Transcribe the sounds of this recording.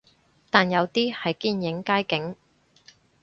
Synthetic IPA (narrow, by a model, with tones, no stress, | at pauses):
t̪aː˨njɐ˨˧wt̪iː˥hɐ˨jkiː˥˧njɪ˨˥ŋkaː˥jkɪ˨˥ŋ